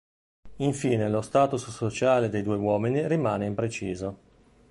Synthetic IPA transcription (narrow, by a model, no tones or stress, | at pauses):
iɱfiːnelost̪aːt̪ussot͡ʃaːled̪ejd̪uːewɔːminirimaːneimpɾet͡ʃiːzo